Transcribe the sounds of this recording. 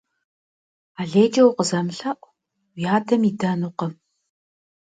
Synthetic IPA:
aːɮeːd͡ʒɐwqəzɐmɬɐʔʷ | wjaːdʰɐmidɐnuqɐ

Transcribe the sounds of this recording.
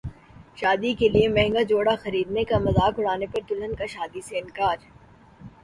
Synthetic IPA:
ʃaːd̪ikeliemɛɦŋɡad͡ʒoːɽaxɐɾiːd̪nekamɐzaːkʊɽaːnepɐɾt̪ʊlənkaʃaːd̪iseɪnkaːd͡ʒ

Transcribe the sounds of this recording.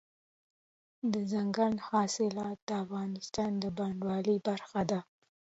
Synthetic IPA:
d̪əzaŋɡanhɑsɪlɑt̪̚d̪̥əafɣɑnɪst̪ɑnd̪əbɑɳɖwɑlibaɾxad̪a

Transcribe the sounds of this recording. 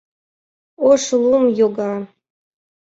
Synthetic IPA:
oʃlˠumjoɡɑ

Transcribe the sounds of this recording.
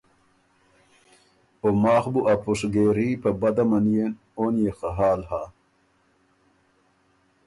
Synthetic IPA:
omaːxbuʔɐpuʂɡeːɾipɐbɐd̪ɐmɐnijen | oːnjexaɦaːlha

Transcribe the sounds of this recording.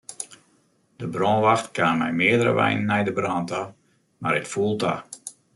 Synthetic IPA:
d̥əbrɔnʋaxtkaːnmɛ̰jmɪədəɾə̰ʋɛ̰jnnːɛjdəbrɔnta | maɾɪtfulˠta̰

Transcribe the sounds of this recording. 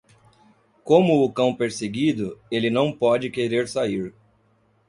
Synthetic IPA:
kõmʊʊkɐ̃w̃peɾseɡid̪ʊelɪnɐ̃w̃pɔd͡ʒɪkeɾeɾsaiɾ

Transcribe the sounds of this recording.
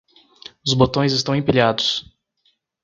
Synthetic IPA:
ʊzbot̪õj̃zɪst̪ɐ̃w̃ĩpiʎʲad̪ʊs

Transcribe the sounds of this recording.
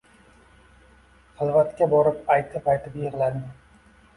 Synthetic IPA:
χɨlˠvat̪kʲabɒɾɪpajt̪ʰɪpʰajt̪ʰɪpjeɾlanɪ

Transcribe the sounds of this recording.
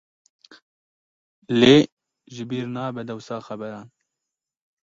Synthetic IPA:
leː | ʒɪbiːɾnɑːbɛd̪ɛwsɑːxɛbɛɾɑːn

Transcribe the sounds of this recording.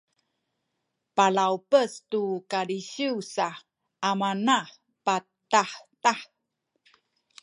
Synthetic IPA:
palawpəstukaɾiɕiwsa | ʔamanaħ | pa | taħtaħ

